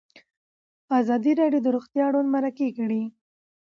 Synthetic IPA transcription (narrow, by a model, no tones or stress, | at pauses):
ɑzɑd̪iɾɑɖjod̪əɾoxt̪jɑɽonmaɾakekɽi